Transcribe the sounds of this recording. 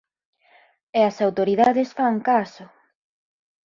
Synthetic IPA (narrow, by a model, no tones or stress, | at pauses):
eɐsawt̪oɾiðaðesfaŋkasʊ